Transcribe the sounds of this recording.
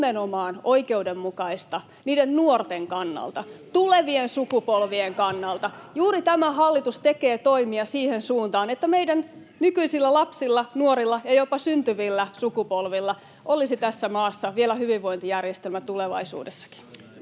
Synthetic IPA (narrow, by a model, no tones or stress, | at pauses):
menomɑːnoikeudemːukɑist̪ɑ | niːdennuort̪eŋkɑnːɑ̰lt̪ɑt̪uleʋiensukupolʋieŋkɑnːɑlt̪ɑjuːɾit̪æmæhɑlːit̪ust̪ekeːt̪oimiɑsiːhensuːnt̪ɑːnet̪ːæmeidæn | nykyisilːælɑpsilːɑnuoɾilːɑjɑjopɑsynt̪yʋilːæsukupolʋilːɑ | ʔolisit̪æsːæmɑːsːɑʋielæhyʋiʋʋo̞int̪ijærjest̪elmæt̪uleʋɑ̰isṵːdesːɑ̥ki̥